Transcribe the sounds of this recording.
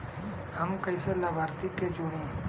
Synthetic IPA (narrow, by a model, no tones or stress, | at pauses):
həmkəiselabʱaːɾt̪iked͡ʒoɽĩː